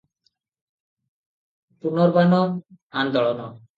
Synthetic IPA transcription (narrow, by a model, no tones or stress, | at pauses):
punɔɾbanɔ | and̪ɔɭɔnɔ